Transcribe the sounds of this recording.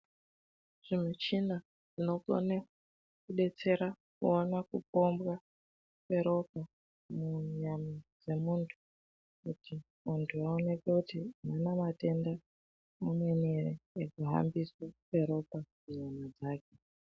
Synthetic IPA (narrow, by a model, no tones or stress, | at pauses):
ʐ̥imwet͡ʃina | ʐino̞ko̰na | kuɗe̞t͡se̞ɾa | kṵonakup̚o̞mbwa | kwe̞ɾo̞p̚a | muɲamad͡ze̞muːntʰu̥ | kuti | muntʰuaone̞kekutimanamate̞nda | mumwe̞nereekuɦa̰mbiswokwe̞ɾo̞pamuɲamad͡zaːke